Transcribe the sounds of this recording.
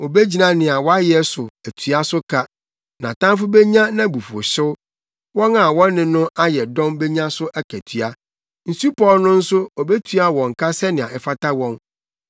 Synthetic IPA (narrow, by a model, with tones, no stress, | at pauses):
ɔ˨be˦d͡ʑi˨nã˨nɪ̃˨a˨wɔ˦a˦jɛ˦sʊ˨æ˨tʰɥa˦sʊ˦kʰa˦ | nã̰˨tʰã˦m˦fʊ˦bɛ˦ɲã˦nã˦bu˨fɔ̰˨ɕɪ˦ | wɔ̃˦na˨wɔ̃ː˦ɪ̃˨nʊ̃˦ʔa˦jɛ˨dɔ̃˦mbe˦ɲã˦sʊ˦ʔæ˦kʰæ˨tʰɥa˦ | n̩˨su˦pʰɔ˦lnʊ̃˦n̩˦sʊ˦ɔ˨bɛ˦tʰy˦a˦wɔ̃˨ŋ̩˨kʰa˦sɛ˦nɪ̃˨ã̰˨ʔɛ˨fa˦ta˦wɔ̃˦n